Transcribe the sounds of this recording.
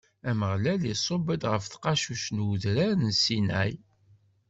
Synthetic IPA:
æməʁlælisˤobəd̪ʁəfθqɑʃuʃnuðɾæɾnsinæ̰j

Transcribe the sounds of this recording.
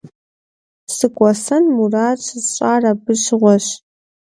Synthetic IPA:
sɨkʷʼɔsɐnmuraːt͡ʃʰʼɨzɕʼaːrɐbɨʃʁʷɔɕ

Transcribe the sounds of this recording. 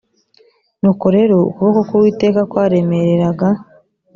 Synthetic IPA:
nuko̞ɾe̞ɾoṵkuβakokuɾwiːte̞ːkakwaːɾe̞me̞ɾeɾaɡa

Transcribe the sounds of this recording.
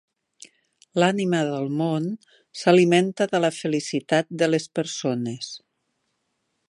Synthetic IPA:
laniməðəlˠmon | səliment̪əðələfəlisit̪at̪̚d̪ələspəɾsones

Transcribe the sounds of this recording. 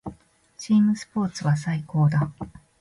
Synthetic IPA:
t͡ɕiːmɯ̟sɨ̥po̞ːt͡sɨβas̬aiko̞ːd̪a

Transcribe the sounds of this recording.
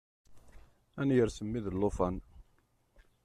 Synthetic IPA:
ænjəɾsəmːiðəlːofɑn

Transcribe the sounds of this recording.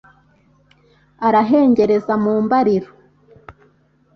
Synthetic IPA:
aɾaɦe̞ːɲɟe̞ɾe̞zamuːmbaɾiɾo

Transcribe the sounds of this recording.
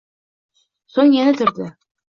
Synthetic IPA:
soɴjænɘt̪ɵ̆ɾd̪ɘ

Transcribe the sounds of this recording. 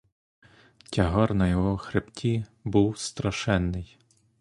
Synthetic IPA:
tʲɐɦɔrnɐjɔɦɔxɾeptʲibuwst̪ɾɐʃɛnːɪj

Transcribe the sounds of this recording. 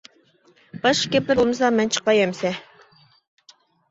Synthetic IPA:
b̥ɑʃkʲɛpɪɾulˠmɨsɑmɛnt͡ʃʰə̥qːɑjɛmsɛ

